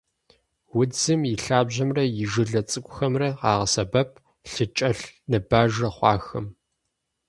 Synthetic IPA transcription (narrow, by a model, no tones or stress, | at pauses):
wʊd͡zɨmɪɬaːbʑɐmrɐjɪʒɨɮɐt͡sʼɨkʷʼʊxɐmrɐqɑ̰ːʁɐsɐbɐpʰ | ɬɨt͡ʃʼɐɬnɨbaːʒɐχʷɑ̰ːxɐm